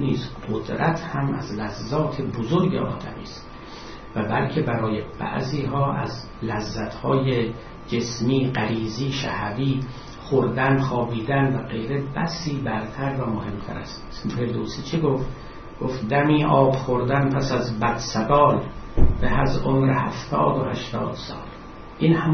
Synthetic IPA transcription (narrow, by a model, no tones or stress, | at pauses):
niːzqod̪ɾʔæt̪ʰhæmʔæ̰zlæzːɒːt̪ʰebozoɾɟḛʔɒ̰ːd̪æ̰mḭːst̪ | væbælcʰe̞bæɾɒːjeb̥æ̰ʔziːɦɒːæ̰z | læzːæt̪hɒːje | d͡ʒe̞smiːɢæɾiːziːʃæ̰hviː | χoɾd̪ænχɒːbiːd̪ænvæɡe̞jɾe̞bæsiːbæɾt̪ʰæɾvæmohe̞mt̪ʰæ̰ɾæ̰st̪ | feɾd̪oːsiːt͡ʃʰeɡoft̪ | ɡ̥oft̪d̪æmiːʔɒːbχoɾd̪ænpʰæsæzbæd̪̥sæbɒːlbehæzʔomɾehæ̰ft̪ʰɒ̰ːd̪ohæʃt̪ɒ̰ːd̪̥sɒ̰ːl | ʔiːnhæm